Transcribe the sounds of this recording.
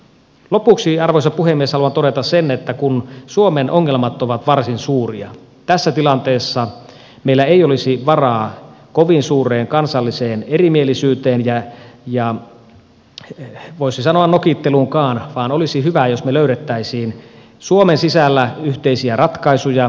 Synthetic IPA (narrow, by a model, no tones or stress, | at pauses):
lopuksiɑrʋoisɑpuhemːieshɑluɑnt̪oɾet̪ɑsenet̪ːækunsuomenʔoŋːelmɑt̪oʋɑt̪ʋɑrsinsuːriɑ̰ | t̪æsːæt̪ilɑnt̪eːsːɑ | meilːæeijolisiʋɑrɑːkoʋinsuːreːŋkɑnsɑlːiseːnerimielisyːt̪eːnjɑjɑ | ʋoisisɑnoɑnnokit̪ːeluŋkɑːnʋɑːnolisiɦyʋæjosmeløyɾet̪ːæisiːn | suomensisælːæyht̪eisiærɑt̪kɑisujɑ